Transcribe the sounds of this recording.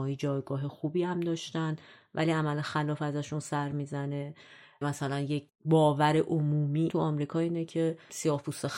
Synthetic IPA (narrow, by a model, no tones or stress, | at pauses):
ɒːid͡ʒɒːjɡɒːɦe̞xuːbiːhæmd̪ɒːʃt̪ænd̪væ̰liæmælexælɒːfæzæʃunsæɾmiːzæne̞ | mæsælænje̞cʰ | bɒːvæɾe̞ʔomuːmiːt̪ʰuɒːmɾiːkʰɒːiːnecʰe̞siɒːhpusex